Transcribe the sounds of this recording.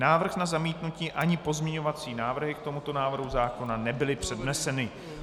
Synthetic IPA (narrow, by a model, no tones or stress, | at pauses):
naːvr̩xnazamiːt̪nuciːʔaɲɪpo̞zmɲɛɲo̞vat͡siːnaːvr̩ɦɪkt̪o̞mut̪o̞naːvr̩ɦuzaːko̞nanɛbɪlɪpr̝̥ɛdnɛsɛnɪ